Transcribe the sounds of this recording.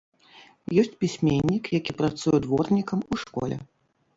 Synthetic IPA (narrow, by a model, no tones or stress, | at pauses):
jɔsʲt͡sʲpʲisʲmʲenʲːikjakʲipɾat̪sujɛd̪vɔrnʲikɐmuʂkɔ̰lʲɛ̰